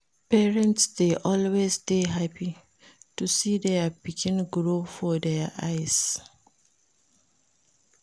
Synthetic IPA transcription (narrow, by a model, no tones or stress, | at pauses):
pɛɹɛ̃ntsdeʔɔlwesteɦapi | tusiːdɛpikʰĩnɡɹofɔdɛʔajs